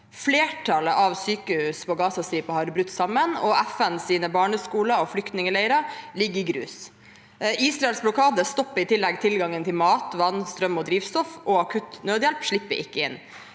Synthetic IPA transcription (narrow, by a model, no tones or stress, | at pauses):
fleːʈʰɑləʔɑʋsyːkəhʉːspʰɔːɡɑːsɑst̪ɾiːpəhɑɾbɾʉt̪ːsɑmːənɔʔæfɛnsiːnəbɑːɳəskuːləɔflʏkt̪nɪŋəlæɪɾɑlɪɡːəɪɡɾʉ̰ːs | iːsɾɑɛlsblʊkʰɑːd̪əst̪ɔpːəɾɪt̪ʰɪlːɛɡt̪ʰɪlɡɑŋənt̪ʰɪlmɑːt̪ʋɑnːst̪ɾœmɔd̪ɾiːʋst̪ɔfɔɑkʰʉt̪nøːd̪jɛlpʂɭɪpːə̰ʔɪkːəɪ̰nː